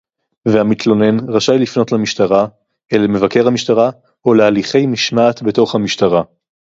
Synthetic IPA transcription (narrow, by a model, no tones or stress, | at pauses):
veamit̪lo̞ne̞nʁaʃajlifno̞tlamiʃtaʁa | eleme̞vake̞ʁhamiʃtaʁa | olealiχe̞jmiʃmaːt̪be̞to̞χhamiʃtaʁa